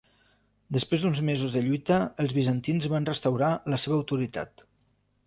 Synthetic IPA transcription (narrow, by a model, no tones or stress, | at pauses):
d̪əspɾezd̪unzmezuzðəʎujt̪əːlˠzβizənt̪inzβanrəst̪əwɾaləseβəːwt̪uɾit̪a̰t̪